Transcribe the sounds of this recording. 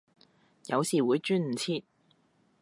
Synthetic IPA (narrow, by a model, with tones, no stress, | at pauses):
jɐ̰˨˧wsiː˨˩wuː˨˧jt͡ʃyː˥nm̩˨˩t͡sʰiː˧t̪̚